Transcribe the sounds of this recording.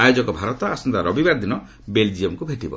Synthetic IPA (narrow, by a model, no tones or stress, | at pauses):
ajod͡ʒɔkɔbʱaɾɔt̪ɔasɔnd̪aɾɔbibaɾd̪inɔ | beld͡ʒiemkubʱeʈibɔ̰